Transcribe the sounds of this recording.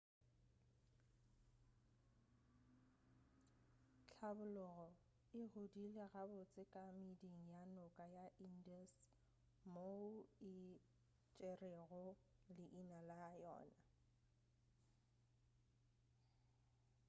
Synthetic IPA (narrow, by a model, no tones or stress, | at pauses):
t͡ɬʰabʊlʊɣɔ | ɪɣodileɣabʊt͡sʼɪkʼamideŋ̩janʊkʼajaʔindas | moɪ | t͡ʃʼereɣʊlɪʔinalajɔ̰ːna